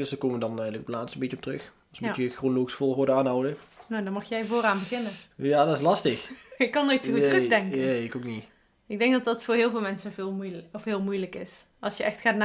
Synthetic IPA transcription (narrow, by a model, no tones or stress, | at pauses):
døsdəkoːməʋədɑnɛjələkɔpəlaːtstəmbetənɔptrɵx | smuəxronlowxsfoːlˠɦʊːɹdəaːnɦɔwdənowdɑnmɑxjɛjvʊːraːnbəɣɪnənjaːdɑtɪslɑstəxɪkːɑnotsutəxdɛŋkəeɪkokni | ɪɡ̚dɛŋk̚dɑtdɑtfʊːɹɦɪːlˠvɪːlˠmɛnsəvɪːlˠɔfɦɪːlˠmujləkɪs | ʔɑlˠsjəʔɛxtxaːtna